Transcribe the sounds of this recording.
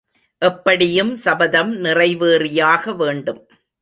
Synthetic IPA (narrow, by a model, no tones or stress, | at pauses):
ʔɛpːɐɽɪjɯmsɐbɐðɐmnɪrɐɪʋeːrɪjaːɣɐʋeːɳɖɯm